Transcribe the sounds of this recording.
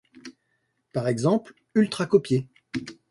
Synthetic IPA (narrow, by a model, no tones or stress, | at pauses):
paʁɛɡzɑ̃pl | ylt̪χakɔpje